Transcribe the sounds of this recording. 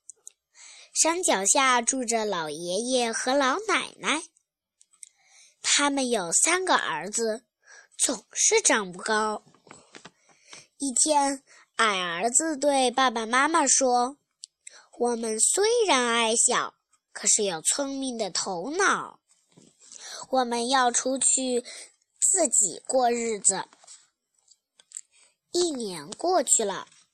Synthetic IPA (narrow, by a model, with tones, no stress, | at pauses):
ʂa˥nt͡ɕjɑ˨˩ʊɕja˥˧ʈ͡ʂu˥˩ʈ͡ʂə˩lɑ˨˩ʊjɛ˧˥jɛ˥˩xɤ˧˥lɑ˧˥ʊna̰˨˩ɪna˥˩ɪ | t̪ʰa˥mə˨njo˨˩ʊsa˥nɡə̰˨ʔə̰˞˧˥d͡zɹ̩˧ | t͡sʊ˨˩ŋʂɻ̩˥˩ʈ͡ʂɑ˥˩ŋpu˥˩kɑ˥ʊ | i˥˩t̪ʰjɛ˥n | a˨˩ɪə˞˧˥d͡zɹ̩˧t̪̬we˥˧ɪpa˥˩pa˨˩ma˥ma˨˩ʂwɔ˥ | wɔ˨˩mə˦nswe˥ɪɻa˧˥na˧˥ɪɕjɑ˨˩˦ʊ | kʰɤ˨˩ʂɻ̩˥˩jo˨˩ʊt͡sʰwə˥ŋmi˥˩ŋd̪ə˩t̪ʰo˧˥ʊnɑ˨˩˦ʊ | wɔ˨˩mə˧˦njɑ˥˩ʊʈ͡ʂʰu˥t͡ɕʰy˥˧ | t͡sɹ̩˥˩t͡ɕḭ˨˩kwɔ˥˧ɻɻ̩˥˩d͡z̩˩ | i˥˩njɛ˧˥nkwɔ˥˧t͡ɕʰy˥˩lə̰˩